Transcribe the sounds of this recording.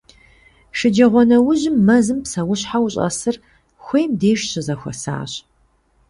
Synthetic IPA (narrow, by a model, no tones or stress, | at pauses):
ʂɪd͡ʒɐʁʷɔnɐwʊʑɪmːɐzɨmpsɐwʊɕħawɕʼɐ̰sɨr | xʷejmdeːʒɕɪzɐxʷɔ̰sa̰ːɕ